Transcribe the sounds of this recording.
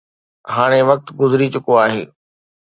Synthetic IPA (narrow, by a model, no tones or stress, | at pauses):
ɦaːɽ̃eʋɐk̚t̪ɡʊzɾit͡ɕʊkoaːɦḛː